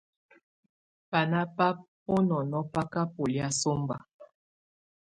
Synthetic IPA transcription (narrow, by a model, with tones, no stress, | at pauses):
pa˨na˦pa˦p̚ | o˦nɔ˨nɔ˦pa˦ka˦po˨li˦a˦so˦mba̰˨